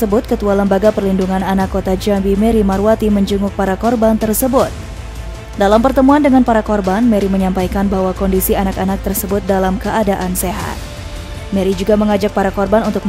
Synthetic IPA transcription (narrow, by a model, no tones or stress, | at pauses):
əbʊt̪̚kət̪ualəmbaɡapərlinduŋananakːot̪ad͡ʒambimɛɾimaɾwat̪iməɲd͡ʒuŋʊk̚paɾakɔrbant̪ərsəbʊt̪̚ | dalampərt̪əmuandəŋanpaɾakɔrbanmɛɾiməɲampajkanbahwakɔndisianakanak̚t̪ərsəbʊt̪̚dalamkəʔadaʔanseɦa̰t̪̚ | mɛɾid͡ʒuɡaməŋad͡ʒak̚paɾakɔrbanunt̪ʊk̚m